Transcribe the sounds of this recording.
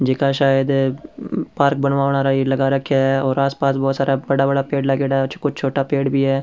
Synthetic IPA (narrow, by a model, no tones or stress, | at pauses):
d͡ʒɪkaːʃaːjəd̪ | paːɾk̚bənʋaːʋnaːɾaːiləɡaːɾəkʰːjaːɦɛːɔːɾaːspaːsbɔːt̪saːɾaːbəɽaːbəɽaːpeːɖləɡeːɽaːɛʊt͡ʃʰkʊt͡ʃʰt͡ʃʰoːʈaːpeːɽbʱiːɦɛː